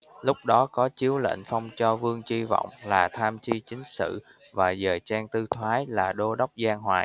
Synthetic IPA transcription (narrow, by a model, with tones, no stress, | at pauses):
lʊ˦˥k͡p̚ɗɔ˨˦kɔ˨˦t͡ɕi˨˦əwlə̰˧˨n̟fa˧wŋ͡mt͡ɕɔ˧vɨ˧əŋt͡ɕi˧vɔ̰˧˨wŋ͡mlaː˨˩t̪ʰaː˧mt͡ɕi˧t͡ɕï˨˦ŋ̟sɨ̰˧˨ | vaː˨˩zəː˨˩jt͡ɕaː˧ŋt̪ɨ˧t̪ʰwaː˨˦jlaː˨˩ɗo˧ɗa˦˥wk͡p̚zaː˧ŋɦwaː˧˨j